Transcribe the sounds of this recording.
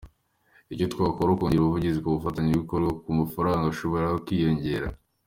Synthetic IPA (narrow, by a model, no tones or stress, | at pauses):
ico̞tkwaːkoɾaokoːɲɟeɾuβuvuɟizikoβufataɲeβɡikoɾɡakumafaɾaːŋɡaʃo̞βo̞ɾahokwiːjo̞ɲɟe̞ɾa̰